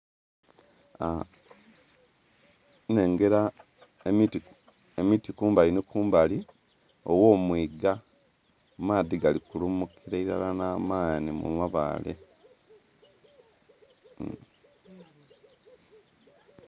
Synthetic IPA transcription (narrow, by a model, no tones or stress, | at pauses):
a | ne̞ːŋɡe̞ɾa | et | emitikuːmbalinikʰuːmbali | owo̞ːmwiːɡa | maːðiɡalikulumukʰiɾaiɾalanaːmaːnimṵmaβa̰ːlʔḛ